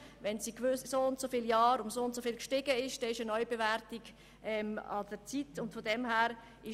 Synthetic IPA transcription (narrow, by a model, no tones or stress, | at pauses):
ʋɛnsiːkvʏssoʊntsofɪljɑːɾʊnsoʊntsofɪːlkʃtɪɡəɪʃd̥ɛːɪʃənɔʏb̥evæɾtiɡ | ʔɛmɑ̰d̥əɾt͡sitʊntfodɛmhæːɾ | ɪ